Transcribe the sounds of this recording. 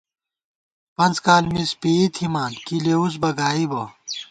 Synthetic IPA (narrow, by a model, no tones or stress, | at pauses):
pɐnt͡skaːlmispeːit̪ʰimaːnkileːus̬bɐɡaːibɐ